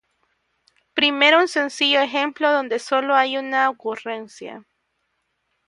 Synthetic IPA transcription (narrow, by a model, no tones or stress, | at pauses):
pɾime̞ɾounse̞nsiʝo̞exe̞mplo̞ðo̞nd̪eso̞lo̞ajunaokure̞nsja̰